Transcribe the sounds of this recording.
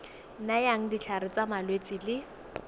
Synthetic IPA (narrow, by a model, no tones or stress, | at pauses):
najaŋ̩dit͡ɬʰaɾɪt͡samalwet͡sɪlɪ